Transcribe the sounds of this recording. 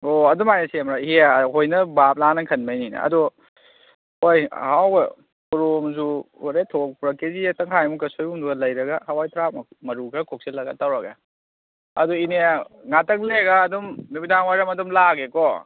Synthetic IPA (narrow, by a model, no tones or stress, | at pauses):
oɐdumajasemɾahiaɦojnɐbap̚lanɐkʰɐnmɐjninɐ̰ɐ̰dɔ | ojhawɡɐ̰ | puɾomzuaɾetʰok̚puɾɐkezitɐŋkʰajmukɐsojumduɡɐlɐjɾɐɡɐhawajtʰɾap̚mɐmɐɾuɡɐkʰok̚selɐɡatawɾɐɡɐ̰ | ɐ̰dɔineŋatɐk̚leɡaːdumnubidaŋwajɾɐmɐdumlaɡekɔ